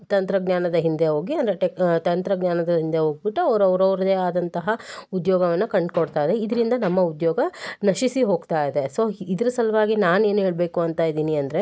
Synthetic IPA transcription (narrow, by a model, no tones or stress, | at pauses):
t̪ɐnt̪ɾɐɡɲaːnɐd̪ɐɦind̪e̞ɦoːɡiɐnd̪ɐɾeʈet̪ɐnt̪ɾɐɡɲaːnɐd̪ɐɦind̪e̞ɦoːɡibiʈːuɐʋɾɐʋɾɐʋɾɐd̪eaːd̪ɐnt̪ɐɦɐud̪jɔːɡɐʋɐnːukɐɳɖkɔɽt̪aːjd̪eid̪ɐɾind̪ɐnɐmːɐud̪jɔːɡɐnɐʃisiɦo̞ːɡt̪aːjd̪e̞so̞ːid̪ɐɾusɐlɐʋaːɡinaːne̞ːnɦeːɭbe̞ːkuɐnt̪aːjd̪iːniɐnd̪ɐɾe̞